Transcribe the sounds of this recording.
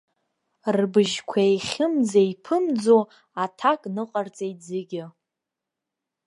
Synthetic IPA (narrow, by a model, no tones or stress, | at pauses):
rbɨʒkʷʰaeχʲɪmd͡zaipʰɨmd͡zo | atʰakʼnɨqʼart͡sʼejd͡zɪɡʲɪ